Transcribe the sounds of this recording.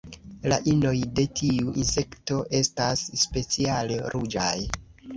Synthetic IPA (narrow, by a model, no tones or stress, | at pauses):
la̰ʔino̞jde̞tʰiuʔinse̞kto̞ʔe̞stasːpe̞t͡sialeɾʔud͡ʒa̰j